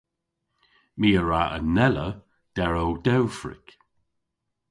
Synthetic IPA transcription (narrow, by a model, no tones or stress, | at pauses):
miːəɹaʔə̰nɛlə | d̥ɛɹowdɛwfɹɪ̰k